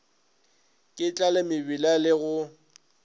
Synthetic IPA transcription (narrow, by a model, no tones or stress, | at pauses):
kʼɪt͡ɬʼalɪmɪbilalɪɣʊ